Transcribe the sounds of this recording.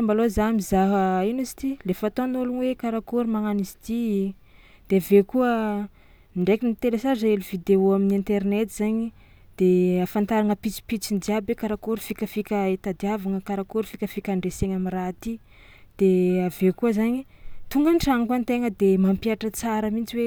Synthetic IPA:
ambalozamizaɦəinuzi̥t̪ilefat̪onulunwekaɾakuɾimaŋanizit̪i | d̪̥eavekuə | ɳɖ͡ʐekinit̪elesazelivid̪eoaminint̪eɾnet̪izaɲi | d̪̥eafant̪aɾaŋəpit͡si̥pit͡sind͡ʒiabekaɾakuɾfikʲəfikʲəet̪ad̪iavaŋəkaɾakuɾufikʲəfikʲaɳɖ͡ʐeseɲamirat̪i | d̪̥eavekuəzaɲit̪uŋɡəɳʈ͡ʂaŋkwant̪eŋəd̪emampiaʈ͡ʂət͡saɾəmint͡siwe

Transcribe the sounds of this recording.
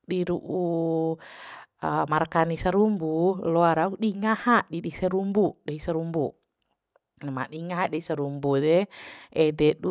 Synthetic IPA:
diɾuʔu | əmarkanisaɾumbulɔaɾauɗiŋahaʔdiɗisəɾumbudaisaɾumbu | nma̰ɗiŋaɦaʔdɛisəɾumbudɛʔɛdɛdu

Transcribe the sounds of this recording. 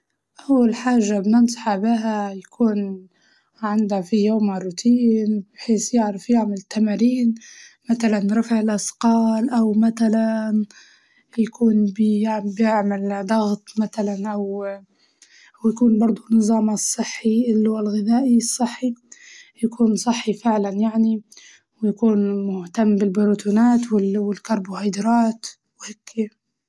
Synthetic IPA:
ʔawːalħaːʒːabnɪnsˤɑħabiɦajakʰuːn | ʕɪnd̪hafijoːmarˤːʊt̪ʰiːnbħeːsjɪʕɾɪfjɪʕmɪlt̪ːamaɾiːnmat̪alanɾˤɑfʕɪlʔɑsqɑːlʔawmat̪alan | jakuːnbbjɪʕmɪld̪ˤɑɣt̪ˤmaθalanʔaw | ʔawjakuːnbɑɾˤd̪ˤʊnːɨzˤɑːmasˤːɨħːiʔɪlːʊɣalɣɪðaːʔisˤːɨħːijakuːnsˤɨħːifɪʕlanjaʕni | wɪjakuːnmʊht̪amːbɪlbɪɾut̪uːnaːt̪wɪlwɪlkɑɾˤbʊhajd̪ɾˤɑːt̪ | whɪkːja

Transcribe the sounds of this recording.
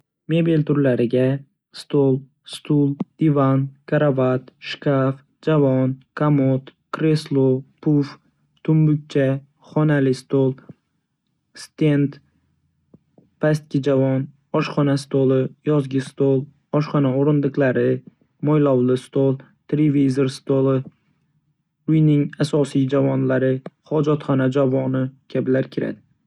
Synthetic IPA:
me̞belt̪ʊɾlaɾɪɡʲa | st̪olˠ | st̪ulˠd̪̥ivankʰaɾavat̪ʃkaf | d͡ʒavɒnkʰamot̪kʰɾe̞slˠopʰʊf | t̪ʰʊmbʊk̚ʲt͡ʃʰa | χɒnalɪst̪olˠ | st̪e̞nt̪ | past̪̚kʲɪd͡ʒavɒn | ɒʃχɒnast̪olˠɪjɒzɡʲɪst̪olˠ | ɒʃχɒnaoɾɪnd̪ɨqlˠaɾɪ | mɒjlˠɒwlˠɪst̪olˠ | t̪ʰeɾevizoɾst̪olˠɪ | ʊjnɪŋasɒsijd͡ʒavɒnlaɾɪχɒd͡ʒɒt̪χɒnad͡ʒavɒnɪkʲʰabɪlaɾkʲʰɪɾa̰d̪ɪ

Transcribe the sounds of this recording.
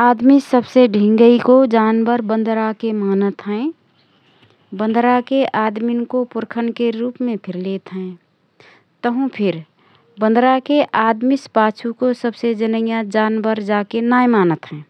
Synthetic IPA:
aːd̪misəbseɖʱɪ̃ŋɡəikod͡ʒaːnbəɾbə̃nd̪ʱɾakemaːnət̪ɦɛ̃ː | bə̃nd̪ʱɾakeʔaːd̪minkopʊɾkʰənkeɾuːpmẽpʰɪɾleːt̪ɦɛ̃ | t̪əɦũpʰɪɾ | bə̃nd̪ʱɾakeʔaːd̪mɪspaːt͡ʃʰukosəbsed͡ʒənəjãd͡ʒaːnbəɾd͡ʒaːkenaːjemaːnət̪ɦɛ̃ː

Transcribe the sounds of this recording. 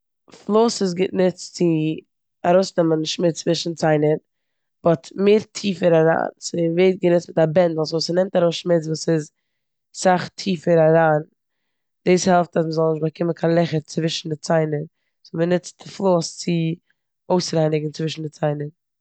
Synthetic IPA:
flˠoːsɪs̬ɡɪnɪt͡st͡sɪ | aɾoʊsnɛmənʃmɪt͡st͡sːvɪʃn̩t͡saɪnəɾ | bɔtmeːɾtʰiːfəɾaɾa̰ːnsəveɪt̚ɡənɪt͡stmɪtabɛndl̩ˠsuːsənɛmtaɾoʊsʃmɪt͡svuːsɪz | saχtʰiːfəɾaɾaːn | d̥iːshɛlˠftas̬məzɔlˠnɪʃbakʰɪmənkʰanlˠɛχəɾt͡svɪʃn̩dɪt͡saɪnəɾ | smənɪt͡st͡sɪflˠoːst͡sɪ | oʊsɾaɪnɪɡŋ̩t͡svɪʃn̩dɪt͡saɪnəɾ

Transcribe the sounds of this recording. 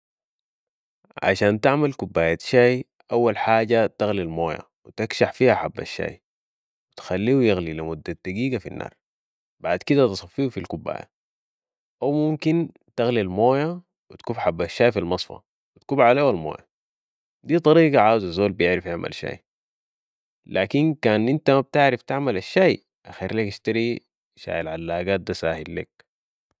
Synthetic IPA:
ʕa̰ʃaːnt̪aʕmalkubːaːjat̪ʃaːj | ʔawːalħaːɟat̪aɣlilmoːja̰ | wit̪akʃaħfiːhaħabːa̰ʃːa̰ːj | wit̪xalːiːwujaɣlilimud̪ːad̪̥aɡiːɡafinːʔɑ̰ːɾˤ | baʕd̪kid̪at̪ɨsˤɑfːiufilkubːa̰ːja̰ | ʔawmumkin | t̪aɣlilmoːja | wit̪kuːfħabːaʃːaːjfilmɑsˤfɑ̰ | wit̪kuːbʕaleːwalmo̰ːja | d̪iːt̪ˤɑɾiːɡɑʕaːwzazoːlbijɪʕɾafjaʕmʔa̰lʃa̰ːj | lʔaːkinkaːnʔint̪amab̚t̪aʕɾaft̪aʕmalaʃːaːj | ʔaxiːɾleːkaʃt̪aɾi | ʃa̰ːʔalʕalːaːɡaːt̪̚d̪asaːhilːḛk̚

